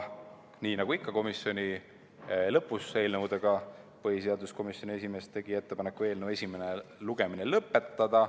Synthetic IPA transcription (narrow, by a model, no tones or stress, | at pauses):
niːnɑɡ̥uikˑːɑko̞misjo̞nʲi | lɤpːˑuse̞ːlnəwd̪eɡ̥ɑpɤɦhiseɑd̪usko̞misjo̞nʲiesʲime̞st̪e̞ɡ̥ie̞t̪ːe̞pɑnekːˑue̞ːlnəwe̞sʲime̞neluɡe̞minelɤpːˑe̞t̪ːɑd̪̥ɑ